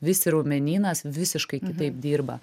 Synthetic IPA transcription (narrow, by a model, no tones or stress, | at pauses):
ʋʲɪsʲɪɾoːmʲɛnʲiːnɐsʋʲɪsʲɪʃkɐɪkʲɪt̪ɐɪp̚d̪ʲiːɾbɐ̰